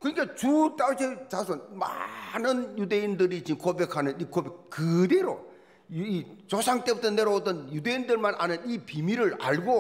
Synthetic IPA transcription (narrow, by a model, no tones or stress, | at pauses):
kɯɲik͈at͡ɕut͈aɯɕʰet͡ɕasʰonma̰nɯnjude̞indɯɾit͡ɕinkobe̞kʰhanɯnikobek̚kːɯde̞ɾo | it͡ɕosʰaŋt͈e̞butʰʌne̞ɾoodʌnjude̞indɯɭmanʔa̰nɯnipimiɾɯɭa̰ɭɡo